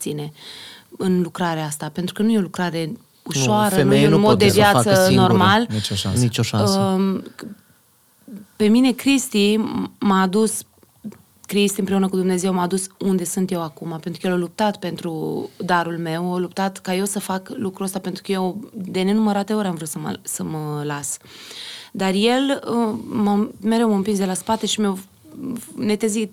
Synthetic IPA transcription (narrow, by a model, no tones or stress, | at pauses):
t̪sine̞ | ɨnlukɾaɾeaast̪ape̞nt̪ɾukənujeo̞lukɾaɾe̞ | uʃoaɾənujeunmo̞d̪d̪evjaat̪səno̞rmalnit͡ʃoʃa̰nit͡ʃoʃaə | pe̞mine̞kɾist̪imaːd̪us | kɾist̪iɨmpɾe̞unəkud̪umne̞ze̞wmaːd̪usund̪e̞sɨnt̪je̞wakumapet̪ɾukəjelolup̚t̪at̪pe̞nt̪ɾud̪aɾulme̞wolup̚t̪at̪kaje̞wsəfaklukɾuəst̪apent̪ɾukəje̞wd̪e̞ne̞numəɾat̪e̞o̞ɾʲamvɾut̪səmə̰səməlas | d̪arje̞ləməmeɾewməɨmpinsd̪elaspat̪e̞ʃimew | ne̞t̪ezit̪